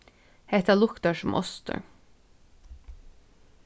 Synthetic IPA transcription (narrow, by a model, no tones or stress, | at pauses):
het̪ɑlʊkt̪ɑʃʊmʔɔ̰st̪ʰə̰